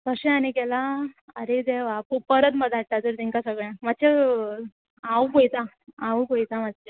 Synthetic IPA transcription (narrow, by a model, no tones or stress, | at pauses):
kəɕẽanikɛlaəɾed̪eʋapəpəɾət̪məd̪ʱaʈ̚ʈat̪əɾt̪iŋkasəɡɭjãmat̪ːt͡ɕe | awkojt̪a | aukojt̪amat̪t͡ɕe